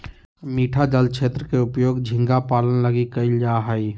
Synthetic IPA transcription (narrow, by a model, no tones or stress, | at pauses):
miːʈʰad͡ʒəlt͡ʃʰeːt̪ɾəkeʊpjoːɡd͡ʒʱɪ̃ŋɡapaːlənləɡikəɪld͡ʒaɦəi